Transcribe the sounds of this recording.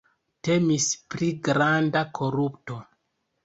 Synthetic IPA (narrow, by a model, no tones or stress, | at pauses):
te̞mispɾiɡɾandakʰo̞ɾupto